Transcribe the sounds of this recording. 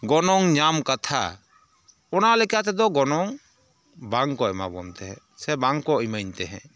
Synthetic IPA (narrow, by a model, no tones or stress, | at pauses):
ɡɔnɔŋɲamkat̪ʰa̰ | ɔnalɛkat̪ɛd̪ɔɡɔnɔŋ | baŋkɔɛma̰bɔ̰nt̪ɛɦɛ̰̃ | sɛbaŋkɔʔimajɲt̪ɛɦɛ̰̃